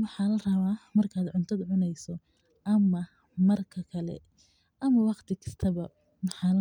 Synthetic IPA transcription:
wɑħɑːlɐrɐβaːmɐrkʰaːd̪ʕʊnt̪ʰɐd̪ʕʊnɛjsɔ | ʔɐmɐ | mɐrkʰɐkʰɐlɛ̰ | ʔɐmɐwɑqt̪ʰɪkʰɐ̥st̪ʰɐβɐ | mɑħɑːl

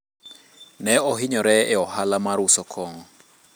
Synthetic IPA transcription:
nɛɔɦɪɲɔɾɛɛɔhalamaɾʊsɔkʰɔŋɔ

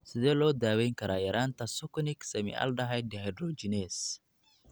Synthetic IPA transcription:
sɪzɛloːd̪aːweŋkɐɾaːjɐɾant̪ɐsʊkʊnɪksɛmɪ̰ʔɐ̰ld̪ɐɦajd̪ɛhɐjdɾoːd͡ʒɪneːs

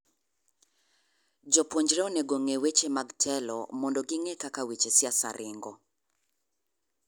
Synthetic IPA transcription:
d͡ʒɔpwoɲd͡ʒɾɛɔnɛɡoŋewet͡ʃemaɡtʰɛlɔ̰mɔndɔɡɪŋɛkakawit͡ʃesɪasa̰ɾʔɪŋɡɔ

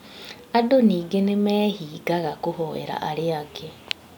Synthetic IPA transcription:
adoniːɡenemeːhiːɡaɣakuhoḛɾa̰ʔaɾeaɡe

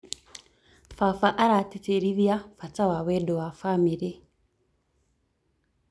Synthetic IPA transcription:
fafaʔaɾatiteɾiβjafat͡sawawedowafamiɾe

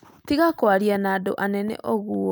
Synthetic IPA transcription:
tiɣakwaɾianado̰ʔanɛnɛ̰ʔɔɣuɔ

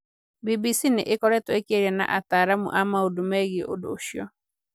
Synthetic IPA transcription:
bibisinɪ̰ʔɪkɔɾɛtɔekeɾiɛna̰ʔataːɾamṵʔamaodomɛɣiʔo̰dʊ̰ːʃjɔ

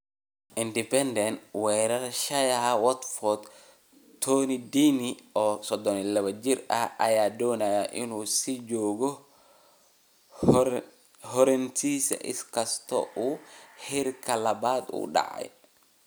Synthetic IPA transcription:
ʔindipɛndɛnwɛːɾɐɾʃɐjawɔt̪fɔt̪ | t̪ːoːnidiːniɔsɔd̪ɔnilɐβɐd͡ʒiɾɐ̰ɐ̰jaːdɔːnajaʔinusid͡ʒoːɡɔ | hɔɾɛnt̪isɛ̰ʔɪ̰skɐst̪ɔ̰ʔuhiɾkɐlɐbaːd̪ṵɗa̰ʕa̰j

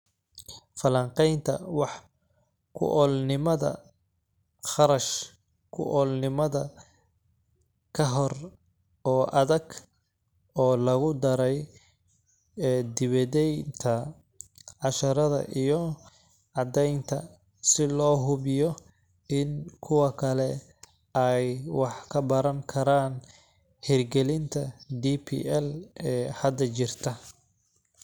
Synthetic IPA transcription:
fɐlɐŋqɛjnt̪ʰɐ̰wɑħ | kʰʊ̰ʔɔːlnɪmɐðɐ̰ | χɑɾɐʃ | kʰʊ̰ʔɔːlnɪmɐðɐ | kʰɐɦɔr | ɔːʔɐðɐɡ | ɔːlɐɣʊd̪ɐɾɛj | d̪ɪβɐðɛjnt̪ʰɐ | ʕɑʃɐɾɐðɐ̰ʔijɔ | ʕɑd̪ɛjnt̪ʰɐ̰ | sɪlɔːɦʊβɪjɔ | ɪnkʰʊwɐkʰɐlɛ | ɛjwɑħkʰɐbɐɾɐŋkʰɐɾaːn | hɪrɡɛlɪnt̪ʰɐd̪ipʰḭɛlɛːhɐd̪ɐt͡ʃɪrt̪ʰɐ

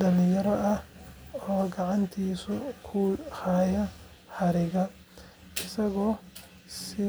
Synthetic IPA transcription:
dɐlɪjɐɾɔʔɐhɔːɡɑʕɑnt̪ʰiːsʊkʰuːhɑːjɐ | ħɑɾɪɣɐ | ɪsɐɣɔː | sɪ

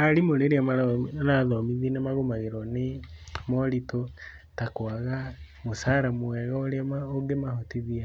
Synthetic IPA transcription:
alimoɾeɾiamaɾanaðɔmiðinemaɣomaɣeɾɔnemɔlito | takwaɣamosaɾamuɛɣaoɾaoɡemahotiðia

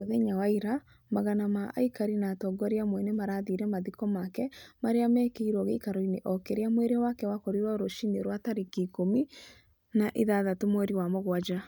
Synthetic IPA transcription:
oðeɲawaiɾa | maɣanamaʔa̰ikaɾinatɔɡɔɾiamwɛnemaɾaːðiɾɛmaðikɔmakɛmaɾeamɛkeiɾɔɣḛikaɾɔineʔɔkeɾeamweɾeɔwakɛwakɔɾiɾwaoɾoʃineɾwataɾekekomi | naʔeðaðatomoeɾiwamoɣwad͡ʒa

